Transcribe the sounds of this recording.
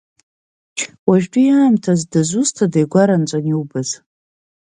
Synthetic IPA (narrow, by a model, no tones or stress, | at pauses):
waʒᶣdʼujaːmtʰazdazʷustʰadajɡʷaɾant͡sʷʼaniwbɨz̥